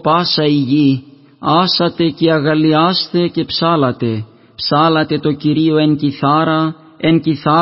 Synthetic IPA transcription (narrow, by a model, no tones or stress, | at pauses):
pɐsɐiʝi | ɐsɐt̪e̞ce̞ɐɣɐliɐst̪e̞ce̞psɐlɐt̪e̞ | psɐlɐt̪e̞t̪o̞ciɾio̞e̞nciθɐɾɐ | enciθɐ